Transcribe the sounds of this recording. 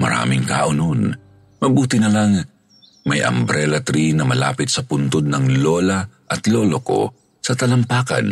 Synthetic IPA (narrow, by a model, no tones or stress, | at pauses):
mɐ̰ɾa̰ːmɪŋka̰ʔʊnon | mɐbuːt̪ɪnɐlaŋ | mɐjʔɐ̰mbɾɛlɐt̪ɾinɐmɐla̰ːpɪt̪sɐpʊnt̪od̪̚nɐŋloːlaʔɐt̪loloko̰ | sɐt̪ɐlɐmpaːkɐ̰n